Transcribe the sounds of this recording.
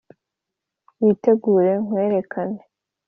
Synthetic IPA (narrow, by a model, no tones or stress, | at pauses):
wiːte̞ɡuːɾe̞ŋ̥we̞ːɾe̞kʰane